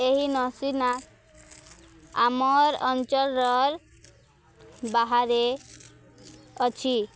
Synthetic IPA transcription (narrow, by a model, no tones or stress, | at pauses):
eɦinɔsina | amɔɾɔnt͡ʃɔlːɔɾ | baɦaɾe | ɔt͡ʃʰi